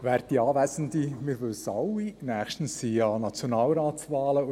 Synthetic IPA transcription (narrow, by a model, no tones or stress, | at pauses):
væːɾdiɑːvæsən̩dimɪɾʋɵlsɑwinæːxʃtn̩siɑnɑt͡sjonɑːlɾɑːsvɑːlə